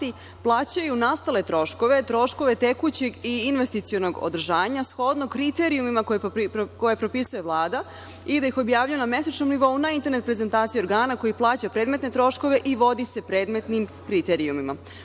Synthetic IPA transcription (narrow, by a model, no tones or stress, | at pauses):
i | plˠaːt͡ɕajunast̪ale̞t̪ɾo̞ʃko̞ʋe̞t̪ɾo̞ʃko̞ʋe̞t̪e̞kut͡ɕe̞ɡiinʋe̞st̪it̪sijono̞ɡo̰d̪ɾ̩ʒaːʋaɲasxo̞d̪nokɾit̪e̞ɾiumimakoko̞jepɾo̞pisuje̞ʋlˠaːd̪a | id̪ajixo̞bjaːʋʎujuname̞sat͡ʃno̞mniʋo̞unaint̪e̞ɾnet̪pɾe̞ze̞nt̪aːt̪sijo̞ɾɡaːnako̞jiplˠaːt͡ɕapɾe̞ːd̪me̞t̪ne̞t̪ɾo̞ʃko̞ʋe̞ʔiʋo̞d̪ise̞pɾeːd̪me̞t̪nimkɾit̪eɾiumima̰